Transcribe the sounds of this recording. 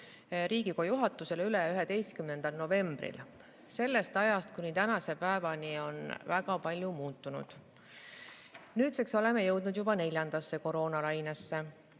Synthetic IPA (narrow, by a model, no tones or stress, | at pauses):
ɾiːɡikojuɦɑt̪ːˑuse̞lyleyɦe̞d̪e̞jst̪̚kymne̞nd̪̥ɑlno̞ve̞mb̥rḭl | se̞lːe̞st̪ɑjɑst̪kunit̪ænɑse̞pæevɑnio̞nvæɡɑpɑlʲjumuːt̪ːˑunṵd̪̥ | nyːt̪sekso̞le̞me̞jɤwd̪̥nud̪jubɑne̞lʲjɑnd̪̥ɑsːe̞ko̞ɾo̞ːnɑlɑjnesːe̞